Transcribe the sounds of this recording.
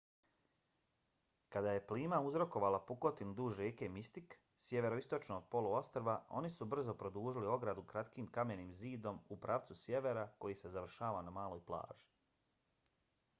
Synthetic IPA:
kad̪aje̞pliːmauzɾo̞ko̞ʋaːlapuko̞t̪inud̪uːʒɾeːkemist̪ik | sje̞ʋe̞ɾo̞ist̪o̞t͡ʃnod̪̚po̞lˠuo̞st̪ɾʋao̞̰nisubr̩zo̞pɾo̞d̪uːʒilio̞ɡɾad̪ukɾat̪kiːmkameniːmziːd̪o̞mupɾaʋt̪susje̞ʋe̞ɾako̞jise̞zaʋr̩ʃaːʋanamaːlˠo̞jplˠa̰ːʒi̥

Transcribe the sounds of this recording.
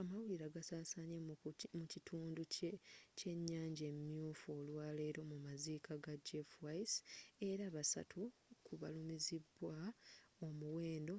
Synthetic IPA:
amawuiɾaɡasaːsaɲemucitʰuːnducece̞ɲːaːɲɟemjuːfo̞ːlwaːle̞ːɾo̞mumazikʰaɡad͡ʒefwaise̞ɾaːβasa̰tʰukʰuβa̰lumizibːwaomuwe̞ːndo̞

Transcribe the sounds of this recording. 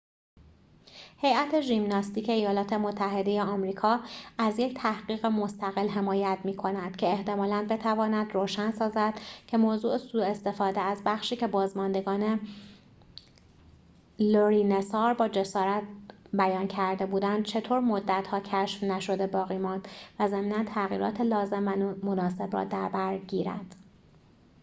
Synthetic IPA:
he̞jæt̪ʰe̞ʒimnɒːst̪iːkcʰeijɒːlɒːt̪ʰe̞mot̪ʰːæɦe̞d̪e̞jeɒmɾiːkʰɒːæzje̞ct̪ʰæhɢiːɣemo̞st̪æɣelɦe̞mɒːjæt̪miːkʰo̞næd̪̥cʰeːht̪e̞mɒːlænbe̞t̪ʰævɒːnæd̪roːʃænsɒːzæd̪̥cʰe̞moːzuːʔesuːe̞st̪e̞fɒːd̪eæzbæxʃiːcʰe̞bɒːzmɒnd̪e̞ɡɒːne | loɾiːnesɒːɾbɒːd͡ʒe̞sɒːɾæt̪̚bæjɒːncʰæɾd̪e̞buːd̪ænd̪̥̚t͡ʃʰe̞t̪ʰoːɾmod̪ːæt̪hɒːcʰæʃfnæʃo̞d̪e̞bɒːɣiːmɒːnd̪̥væzæmiːnænt̪ʰæɣḭːɾɒ̰ːt̪ʰelɒːze̞mvæmonɒːse̞bɾɒ̰ːd̪æɾbæɾɟiːɾæ̰d̪̥

